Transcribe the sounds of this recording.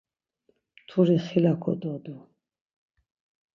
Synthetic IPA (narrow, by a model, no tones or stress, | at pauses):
t̪ʰuɾiχilakʰɔ̰d̪ɔd̪ɔ